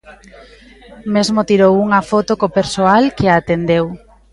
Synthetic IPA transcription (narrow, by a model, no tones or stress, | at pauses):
mezmot̪iɾowuŋɐfot̪okopeɾsoalkeat̪end̪ew